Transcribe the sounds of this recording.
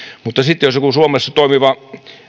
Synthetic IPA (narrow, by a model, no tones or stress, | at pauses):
mut̪ːɑsit̪ːjosokusuomesːɑt̪oˑimiʋɑ